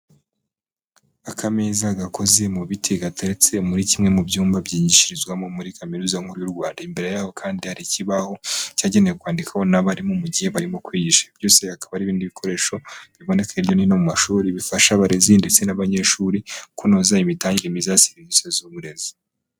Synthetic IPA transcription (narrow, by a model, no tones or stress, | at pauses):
akʰamezaɡako̞ze̞muβitʰeɡatʰeɾet͡se̞muɾicimŋe̞mubjuːmbabjiːɲiʃiɾizɡwamo̞muɾikameɾuzaŋhuɾujuɾɡwaːndaimbe̞ɾe̞jaːho̞kʰaːndihaɾiciβaho̞caːɟe̞nejekwaːndikʰaho̞naβaɾimo̞muɟihe̞βaɾimo̞kwiːɟiʃḁb̥jo̞ːse̞hakaβaɾiːβiːndiβikʰo̞ɾe̞ːʃo̞βiβo̞ne̞kʰaiβjo̞ninomumaʃuːɾiβifaʃaβaɾezindet͡se̞naβaɲe̞ʃuːɾikunozaimitaːɲɡemizasiβinisezoβuɾe̞zi